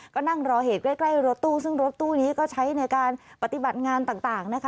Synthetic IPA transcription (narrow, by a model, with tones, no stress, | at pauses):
kɔː˥˩na˥˩ŋɾɔː˧ɦeː˨˩t̪̚kla˥˩jkla˥˩jɾo˦˥t̪ːuː˥˩sɯ˥˩ŋɾo˦˥t̪ːuː˥˩niː˦˥kɔː˥˩t͡ɕʰa˦˥jna˧jkaː˧n | pa˨˩t̪i˨˩ba˨˩t̪̚ŋaː˧nt̪aː˨˩ŋt̪aː˨˩ŋna˦˥kʰa˦˥